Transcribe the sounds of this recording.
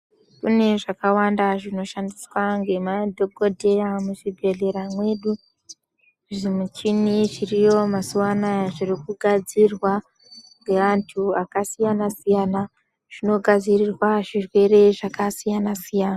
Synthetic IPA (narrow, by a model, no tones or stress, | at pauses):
kṵne̞ʐakawandaʐino̞ʃandiswaŋɡe̞madʱo̞ɡo̞dʱe̞ramuʃiɡʱe̞ɮe̞ɾamwe̞ɗu | ʐimut͡ʃiniʐirijo̞masuwanaʐirikuɡʱad͡zirwa | ŋɡe̞ʋantʰuakasijanasijana | ʐ̥ino̞ɡʱad͡zirirwaʐirwe̞ɾe̞ʐakasijanasijaːna